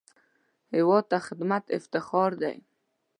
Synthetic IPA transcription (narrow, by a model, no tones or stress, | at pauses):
hiwɔt̪ːaχɪd̪mat̪ʰɪ̰ft̪ɪχɑɾd̪a̰j